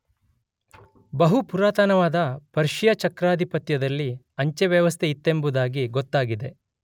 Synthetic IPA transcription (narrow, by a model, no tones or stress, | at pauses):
bɐɦupuɾaːt̪anɐʋaːd̪ɐpɐɾʃijɐt͡ʃɐkɾaːd̪ʱipɐt̪jɐd̪ɐlːi | ɐɲt͡ʃeʋjɐʋɐst̪ʰeit̪ːembud̪aːɡiɡɔt̪ːaːɡid̪e̞